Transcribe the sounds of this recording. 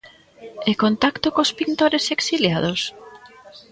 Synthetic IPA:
ekont̪akt̪okospint̪oɾeseksiljaðos

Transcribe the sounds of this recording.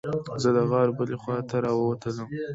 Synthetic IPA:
zəd̪əɣɑɾbəlexwɑt̪aɾɑwəwat̪ʰələm

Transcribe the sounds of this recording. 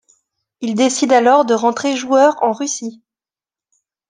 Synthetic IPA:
ild̪esid̪alɔʁd̪əʁɑ̃t̪χeʒuœʁɑ̃ʁysi

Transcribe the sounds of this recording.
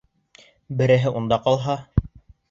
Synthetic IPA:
bɘ̆ɾɘ̆ɦɘʔund̪ɑqɑlˠɦɑ

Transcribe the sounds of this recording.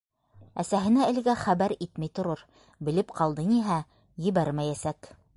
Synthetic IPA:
æsæɦɘ̆næɘ̆lɡæχæbæɾit̪mæjt̪ŏɾɤɾ | bɘ̆lɘpqʰɑlˠd̪ɤniɦæ | jɘ̆βæɾmæjæsæk

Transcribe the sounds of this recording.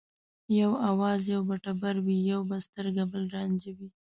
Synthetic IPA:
jawawɑzjawbaʈabaɾwijawbast̪əɾɡabəlɾɑnd͡ʒawi

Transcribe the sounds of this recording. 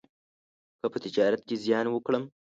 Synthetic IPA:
kəpət̪id͡ʒɑːɾat̪̚kʲezjɑːnwəkɽəm

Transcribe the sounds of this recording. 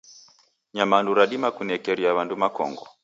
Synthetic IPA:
ɲamanduɾaɗimakunɛkɛɾiaβandumakɔ̰ŋɡɔ

